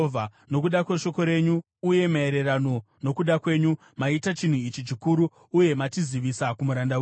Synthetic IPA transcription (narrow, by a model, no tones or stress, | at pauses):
vʱano̞kuɗakweʃo̞ko̞ɾe̞ɲuː | je̞mae̞ɾe̞rano̞ | no̞kuɗakwe̞ɲu | maitat͡ʃin̤uit͡ʃit͡ʃikuɾuː | je̞matiziʋisakumuɾandawe